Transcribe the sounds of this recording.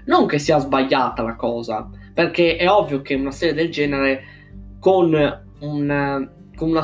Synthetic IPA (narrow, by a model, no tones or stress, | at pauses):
noŋkesiːazbaʎːaːt̪alakɔːza̰perkɛʔɛɔvːjokeunasɛːɾɛd̪ɛld͡ʒɛːnɛɾɛ | kon | un | konuna